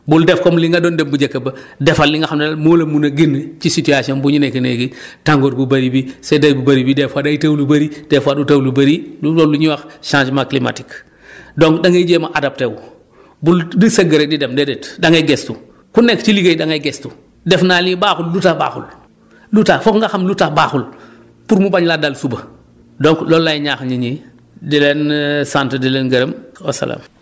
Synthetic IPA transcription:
buldefkomliŋɡadondembuɟɐkːɐbɐdefalːiŋɡaxamemoːlɐmunɐɡint͡ʃisituasionbuɲinekinḛɡitaŋɡoːɾbubaɾibisedajbubaɾibidefadaitawlubɐɾid̥efwadutawlubɐɾiluoluɲuwaxʃãːnd͡ʒmaklima̰ti̥k | doŋkdaŋeɟemaʔadap̚tew | buldisɐɡɐɾedidemdedetdaŋeɡestu | kunɛkt͡ʃiliɡejdaŋajɡestu | dɛfnalibaːxullutaba̰ːxṵl | lutaːfɔkŋɡaxamlutabaːxul | puɾmubaɲladalsubɐ | dɔŋklɔlːajɲaːxɲiɲi | dilɛnsantdilɛnɡɐɾemosa̰la̰m

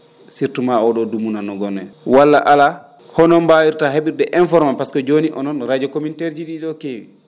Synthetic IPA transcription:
siɾtumaɔɗɔdumunanɔɡɔnːɛ̰walːaʔala | hɔnɔmbawiɾtaɦeɓiɾdɛʔɛnfɔɾmampaskɔd͡ʒoniʔɔ̰nɔnɾad͡ʒɔkomintɛɾd͡ʒiɗiɗɔkewi

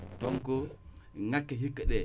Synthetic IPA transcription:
toŋkoŋakːeɦikːəɗe

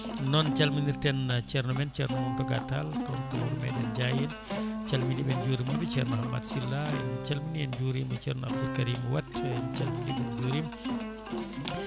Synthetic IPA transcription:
nɔnt͡ʃalminiɾtɛnt͡ʃɛɾnɔmɛnt͡ʃɛɾnɔmɔntɔɡataltɔntɔuɾmɛ̰ɗɛnd͡ʒajɛn | t͡ʃalmindibɛnd͡ʒuːɾimabit͡ʃɛɾnɔhamːa̰dsilːaɛ̰nt͡ʃalminijɛnd͡ʒuɾimɛt͡ʃɛɾnɔa̰bdulkaɾimwatɛnt͡ʃalmindibɛnd͡ʒuːɾim

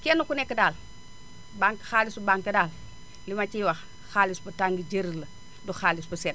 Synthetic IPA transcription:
kenːukunekːədaːl | baŋkxalisubaŋkədaːl | limat͡ʃiwax | xalisbətaŋɡid͡ʒeɾilə | duxaːlisbəset̚

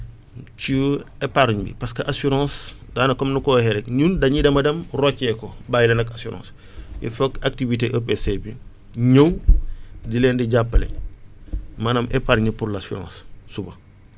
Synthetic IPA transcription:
cuepaɾuɲbḭpɐskɐʔasuɾɑ̃ːsdaːnɐkɔmnukɔːhɛɾɛkɲuːndɐɲidɐmɐdɐmrɔkːɛkɔbaːjilɐnɐkasuɾʔɑ̰̃ːs | jḭfɐkak̚tiviteʔɐpesebi | ɲəw | dilɛːndiɟapːɐlḛ | maːnɐmʔepaɾɲipuɾlasuɾɑ̰̃ːssubɐ

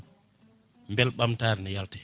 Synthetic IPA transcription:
mbɛlɓamtaːɾnɛjaltɛ̥

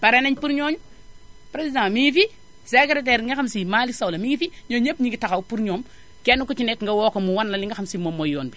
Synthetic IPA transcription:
paɾeneɲpuɾɲoɲu | pɾesidãmifi | sekɾet̬eɾŋɡaxamsimaliksawlamiɡfiɲoɲepɲiɡitakaupuɾɲom | kenukut͡ʃinekŋɡawokomuwanlaliŋɡaxamsimomojoːnbi

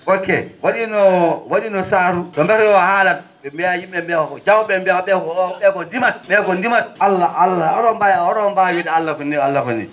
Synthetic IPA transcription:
wokːɛ̰waɗinɔwaɗinɔsaːɾuɗɔmbɛɾɔjɔahalan | ɓɛmbɛjajimɓɛmbɛɔkɔd͡ʒawɓɛmbɛaɓɛkɔɓɛkɔndimat̚ɓɛkɔndimat̚alːaalːaɔɗɔmbajɔɾɔmbajedialːakɔnːɛalːakɔ̰nḭ

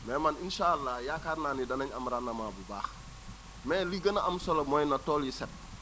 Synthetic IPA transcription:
mɛːmaninʃaːalːajakaɾnaːnidɐnɐɲɐmɾanːɐmabuba̰ːx | mɛːliɡɐnaʔɐmsolomojnatoːljisɛt̚

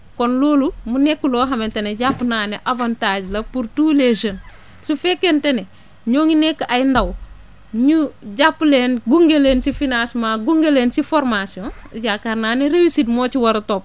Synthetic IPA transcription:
konloːlumunekːuloːɦɐmenteneɟapːnaːneʔavantaːd͡ʒlɐpuɾtuːleʒɐn | sufekːentene | ɲoːŋinekːʔajindaw | ɲuɟapːleːnɡuŋɡelensifinasmaɡuŋɡeleːnsifoɾmasiõnɟakaɾnaːneɾewisitmoːt͡ʃiwɐɾtop̚

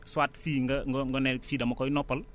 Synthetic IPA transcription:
swaːtfiːŋɡɐŋɡŋɡɔnɛlfiːdɐmɐkɔjnɔpːɐl

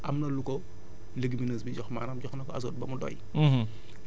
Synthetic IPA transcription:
ʔɐmnɐlukɔ | ləɡiminɐːs̬biɟɔxma̰ːnɐmɟɔxnɐkɔɐ̰s̬ɔːt̚bɐmudɔ̰j

